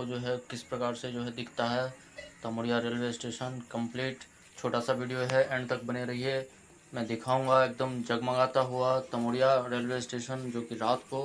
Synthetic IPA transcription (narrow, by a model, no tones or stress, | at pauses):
od͡ʒoːɦɛkɪspɾɐkaːɾsed͡ʒoːɦɛd̪ɪkʰt̪aɦɛ | t̪ɐmoːɽijaɾeːlʋesʈeːʃənkɐ̃mpliːʈ | t͡ʃʰoːʈasaʋiːɖijoɦɛʔɛ̃ːɳɖt̪ɐk̚bɐneɾɐɦiɦɛ | mɛ̃ːd̪ɪkʰaːũːŋɡaeːk̚d̪əmd͡ʒɐɡmaɡaːt̪aɦuat̪ɐmoːɽijaɾeːlwesʈeːʃənd͡ʒoːkiɾaːt̪ko